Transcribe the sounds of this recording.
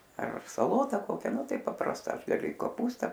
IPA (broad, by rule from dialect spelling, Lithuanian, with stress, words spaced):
ɐr sɐˈlˠoːtɐ ˈkoːkʲɛ ˈnʊ ˈtɐɪ pɐprɐsˈtɐ ˈɐʃ ɡɐˈlʲʊ ɪ koːˈpuːstɐ